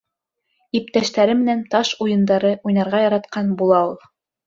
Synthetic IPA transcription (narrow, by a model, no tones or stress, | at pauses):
ip̚t̪æʃt̪æɾɘmɘ̆nænt̪ɑʃujɤ̆nd̪ɑɾɤʔujnɑɾʁɑjɑɾɑt̪qɑnbulˠɑulˠ